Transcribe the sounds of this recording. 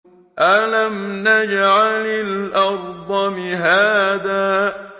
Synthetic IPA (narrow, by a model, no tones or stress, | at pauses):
ʔalamnad͡ʒʕalɪlʔɑɾd̪ˤɑmɪɦaːðaː